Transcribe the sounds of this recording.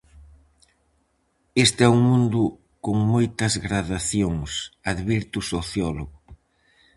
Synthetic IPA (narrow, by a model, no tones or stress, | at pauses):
est̪ɛuŋmũnd̪ʊ | koŋmojt̪ɐzɣɾaðaθjoŋsaðβiɾt̪usoθjɔloɣʊ